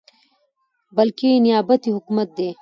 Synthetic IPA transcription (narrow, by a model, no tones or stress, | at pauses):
bɐlkenijaːbɐt̪iɦʊkumɐt̪̚d̪eː